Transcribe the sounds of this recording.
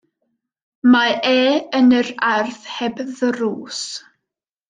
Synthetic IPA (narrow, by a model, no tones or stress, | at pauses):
maʔɛːənərarθhɛbðəɾuːs